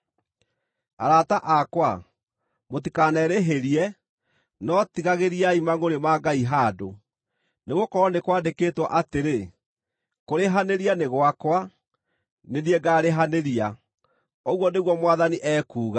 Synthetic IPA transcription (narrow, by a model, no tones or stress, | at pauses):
a̰ɾataʔakwa | motikanɛɾeɦeɾiɛ | nɔtiɣaɣeɾiaimaŋoɾemaɡaiɦado | neɣokɔɾɔnekwaːndekeːtwɔʔateɾe | koɾeɦaneɾianeɣwakwa | neniɛɡaːɾeɦaneɾia | ɔɣwɔneɣwɔmwaðaniʔɛːkuːɣa